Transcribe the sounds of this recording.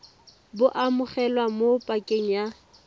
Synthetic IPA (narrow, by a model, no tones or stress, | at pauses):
bʊʔamʊχɛlwamopʼakʼeŋ̩ja